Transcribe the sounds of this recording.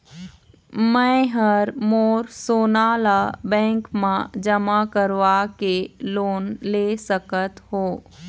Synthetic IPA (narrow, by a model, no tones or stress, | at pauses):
mɛ̃ɦəɾmoːɾsoːnaːlabɛ̃ːŋkmãd͡ʒəmakəɾʋakeloːnleːsəkət̪ɦoː